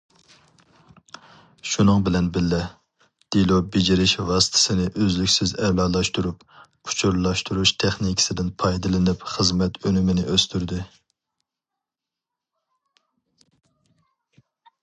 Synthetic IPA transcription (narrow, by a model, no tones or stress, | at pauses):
ʃunɨŋbɪlɛnbɪlːɛ | d̪̥ilˠobed͡ʒiɾɪʃvɑːsɨ̥t̪ʰɪ̥sɪnɪʔøzlykʲsɪzɛlɑlˠɑʃt̪uɾup | u̥t͡ʃʰuɾlˠɑʃt̪ʰuɾuʃt̪ʰɛχnikʲʰɪ̥sɪd̪ɪnpʰɑjd̪ɨlˠɪnɪpχəzmɛt̪ønymɪnɪʔøst̪ʰyɾd̪ɪ